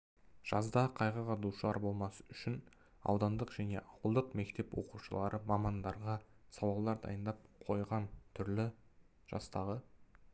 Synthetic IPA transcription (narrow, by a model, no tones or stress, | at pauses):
ʒ̥ɑzd̪ɑqʰɑjʁəʁɑd̪uʃəlˠɑ̰ɾbo̞lˠmɑsə̥ʏʃɪn | ɑ̰wd̪ɑnd̪əqʒ̥æne̞̰ʔɑwəlˠd̪əqme̞k̚t̪e̞pwo̞̰quʃəlˠɑɾəmɑmɑnd̪ɑɾʁɑ | sɑwɑlˠd̪ɑɾd̪ɑ̰jənd̪ɑp̚qʰo̞jʁɑnt̪ʰʏɾlɪ | ʒ̥ɑ̰st̪ɑʁə